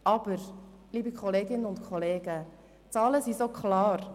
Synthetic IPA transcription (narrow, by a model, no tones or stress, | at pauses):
ʔɑb̥əɾ | liːbikʰχɔleːɡɪnːəʊntkʰɔleːɡ̥ə | t͡sɑːləsisokʰχlɑːɾ